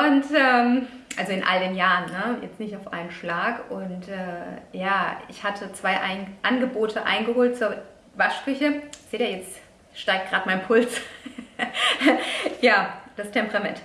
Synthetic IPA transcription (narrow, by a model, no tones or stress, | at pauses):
ʔʊntʔɛːm | ʔalzoɪnʔa̰ldeːnjaːʁənːəjɛ̰t͡stnɪçtaʊfʔa̰ɪnənʃlaːkʔʊntʔɛːjaːɪ̰çhatʰət͡sv̥aɪʔaɪnʔanɡəboːtʰəʔa̰ɪnɡəhoːlt̚t͡suːɐ | vaʃkʏçəz̥eːdɛɐjɛt͡st | ʃtaɪk̚t̚ɡ̥ʁaːtmaɪnpʰʊlt͡s | jaːd̥astʰɛmpʁ̥amɛnt